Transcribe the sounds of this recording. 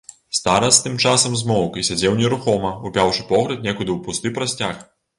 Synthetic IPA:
st̪aɾɐst̪ɨmt͡ʂasɐmzmɔwkisʲad͡zʲɛwnʲɛɾuxɔmɐupʲawʂɨ̥pɔɣɾʲɐt̪̚nʲɛkud̪ɨwpust̪ɨpɾɐsʲt͡sʲax

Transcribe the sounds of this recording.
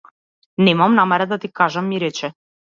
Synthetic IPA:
nɛmamnamɛɾad̪at̪ikaʒamːiɾɛt͡ʃɛ

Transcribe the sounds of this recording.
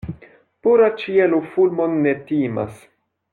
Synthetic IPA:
puɾat͡ʃielufulmo̞nːetima̰s

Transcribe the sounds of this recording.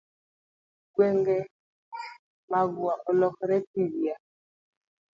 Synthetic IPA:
ɡwɛŋɡɛ | maβuaʔɔlɔkɔɾɛtiβia

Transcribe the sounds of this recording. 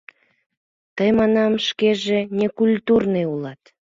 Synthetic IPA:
t̪əjmɑnɑmʃkeʒenekulʲt̪urneulɑt̪

